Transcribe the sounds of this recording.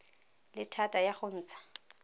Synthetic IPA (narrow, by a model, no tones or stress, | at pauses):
lɪtʰatʼajaχon̩ːt͡sʰḁ